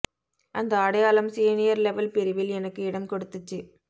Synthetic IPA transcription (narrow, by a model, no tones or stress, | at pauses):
ʔɐnd̪ɐɐɽɐjaːlɐmsiːnɪjɐɾlɛʋɐlpɪɾɯʋɪlɛnɐkːɯɪɽɐmkɔɽɯt̪ːɯt͡ʃːɯ